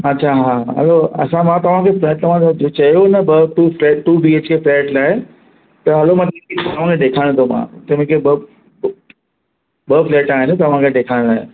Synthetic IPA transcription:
ɐtːɕʰaɦaɦɐ̰loɐ̰sãmãt̪ɐʋ̤ãkʰeflɛːʈt̪ɐʋ̤ãsd͡ʑot͡ɕɐjonɐbɐʈuːflɛːʈuːbieːt͡ɕkʰeflɛːʈlaːɦe | t̪ɐɦɐlomãt̪ɐɪ̃kʰet̪ɐʋ̤ãkʰeɗeːkʰaːɪɽ̃t̪ʰomã̰t̪ɐʋɪ̃kʰebɐ | bəflɛːʈaːɦɪnɪt̪ɐʋ̤ãkʰeɗeːkʰaːɽ̃laːɦɪe

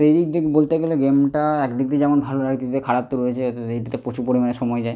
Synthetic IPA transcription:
ejɖid̪ikbolt̪eɡeleɡemʈaɛkd̪ik̚t̪ed͡ʑɛmonbʱaloɾakt̪it̪ekʰaɽap̚t̪uɾoet͡ɕʰet̪ejʈat̪epot͡ɕʰupoɾimaneʃɔmɔjd͡ʑae

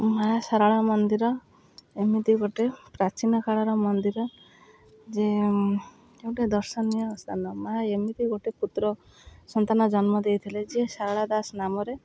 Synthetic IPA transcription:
majasaɾaɭamɔnd̪iɾɔ | emid̪iɡoʈepɾat͡ʃinɔkʰaɭaɾɔmɔnd̪iɾɔ | d͡ʒe | ewʈad̪ɔɾsɔnːiɔɔst̪anɔmaaemid̪iɡoʈeput̪ɾɔ | sɔnt̪anɔd͡ʒɔnmɔd̪ejt̪ʰiled͡ʒiesaɾaɭad̪asnamɔɾe

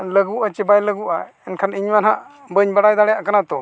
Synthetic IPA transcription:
ləɡuʔat͡ʃɛbajləɡuʔa | ɛnkʰaniɲmanɦaʔ | bəɲbaɽajd̪aɽɛjaʔkanat̪ɔ

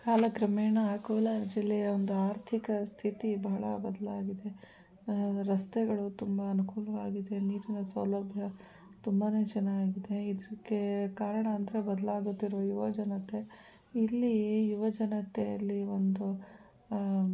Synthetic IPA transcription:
kaːlɐkɾɐmeːɳɐːkoːlɐd͡ʒilːɛjɐond̪uaːɾt̪ʰikɐst̪ʰit̪ibɐɦɐɭɐ̰bɐd̪ɐlaːɡid̪e̞ | ɾɐst̪ɛɡɐɭut̪umbɐːnukuːlɐʋaːɡid̪e̞niːɾinɐsɐwlɐbʱjɐ | t̪umbɐne̞ːt͡ʃɐnːaːɡid̪e̞id̪ɾiɡːekaːɾɐɳɐːnd̪ɐɾebɐd̪ɐlaːɡut̪ːiɾʋɐjuʋɐd͡ʒɐnɐt̪e̞ | ilːiejuʋɐd͡ʒɐnɐt̪ejɐlːiʋond̪u

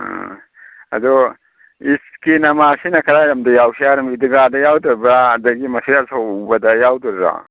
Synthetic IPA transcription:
ɐ̰d̪ɔ | iskinɐmasinɐkʰɐɾaɾɐmdɐjawsiaɾɐmidiɡadɐjawdɔɾbɾaɐd̪ɐɡimɐsijasobɐdɐjawduɾɾa̰

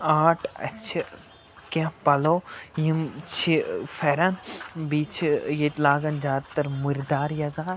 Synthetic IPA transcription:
aːʈʰɐ̰t͡ʃʰi | kãpɐloːjimt͡ʃʰifʰɛɾɐnbiːt͡ʃʰjet̪laːɡɐnd͡ʒaːd̪t̪ɐɾmuɾd̪aːɾjɐzaːɾ

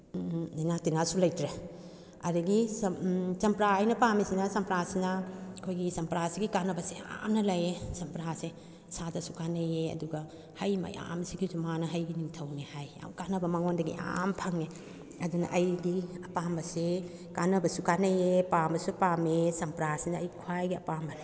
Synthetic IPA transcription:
ninatinasulɐjtɾe | ɐɾɐɡissɐmpɾajnɐpamesinɐsɐmpɾasinɐkʰojɡisɐmpɾasiɡikanɐbɐsea̰mnɐlɐjesɐmpɾase | sadɐsukanɐjeɐ̰duɡɐ | hɐjmɐ̰jʔa̰msiɡizumanɐɦɐjɡinimtʰɐwnehaja̰wkanɐbɐmɐŋondɐɡḭʔa̰mpʰɐŋe | ɐdunɐ̰ʔɐjɡiɐpambɐse | kanɐbɐsukanɐjepambɐsupamesɐmpɾasinɐɐjkʰwajɡiɐpambɐne

